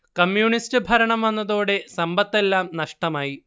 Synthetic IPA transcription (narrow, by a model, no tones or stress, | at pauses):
kɐmjuːɳistɨbʱɐɾɐɳɐmʋɐnːɐðoːɽe̞sɐmbɐt̪ːe̞lːaːmnɐʂʈɐmaːji